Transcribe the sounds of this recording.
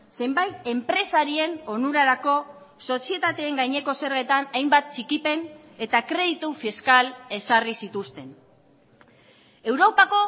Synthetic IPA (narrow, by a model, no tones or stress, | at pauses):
se̞mbajt̪e̞mpɾe̞saɾie̞no̞nuɾaɾako̞ | so̞sie̞t̪at̪e̞ːŋɡajɲe̞ko̞se̞ɾɣe̞t̪anajmbat̪̚t͡ʃikipe̞n | e̞t̪akɾe̞ðit̪ufiskale̞sarisit̪ust̪e̞n | e̞wɾo̞pako̞